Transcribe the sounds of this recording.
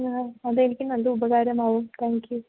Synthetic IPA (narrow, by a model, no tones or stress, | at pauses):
ɐðɐenikʲːɯnʋɐnd̪ɯʊbɐɣaːɾɐmaːʋumt̪ʰaːŋkju